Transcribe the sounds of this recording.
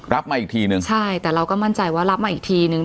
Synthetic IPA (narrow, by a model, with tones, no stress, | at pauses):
ɾa˦˥p̚maː˧ʔi˨˩t̪ʰiː˧nɯ˧ŋt͡ɕʰa˥˩jt̪ɛː˨˩ɾa˧wkɔː˥˩ma˥˩nt͡ɕa˧jwaː˥˩ɾa˦˥p̚maː˧ʔiː˨˩k̚t̪ʰiː˧nɯ˧ŋ